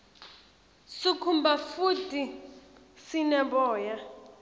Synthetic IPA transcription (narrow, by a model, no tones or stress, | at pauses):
sikʰumbafutʼi | sinɛbɔːja